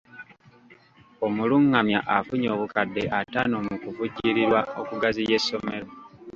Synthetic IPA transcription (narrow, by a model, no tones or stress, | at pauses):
o̞muluŋːamjaʔafuɲoːβukadːe̞ʔataːnomukuvuɟiɾiɾwaokuɡazije̞sːo̞me̞lo̞